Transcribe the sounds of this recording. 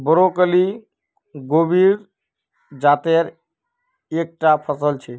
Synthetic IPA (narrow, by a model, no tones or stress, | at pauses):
bəɾokəli | ɡobʱiɾ | d͡ʒat̪eɾ | ek̚ʈapʰəsəlt͡ʃʰɛ